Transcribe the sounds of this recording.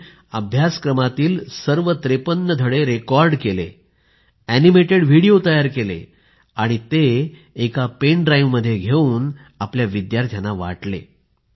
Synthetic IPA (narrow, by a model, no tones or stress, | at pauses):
əbʱjaskɾəmat̪iːlsəɾʋət̪ɾepənːəd̪ʱəɽeɾekɔɾɖkelḛ | ænimeʈeɽʋ̤ʱiɽijot̪əjaɾkelḛ | aɽ̃it̪eː | kapeɳɖɾaiʋmːəd̪ʱːjeɡʱeuːn | apljaʋid̪jaɾt̪ʰjanaʋa̰ʈlḛ